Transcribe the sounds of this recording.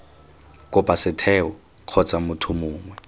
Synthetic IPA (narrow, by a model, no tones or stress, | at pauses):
kʼʊpasɪtʰɛɔ | q͡χʰɔt͡sʼamʊtʰʊmʊːŋwɛ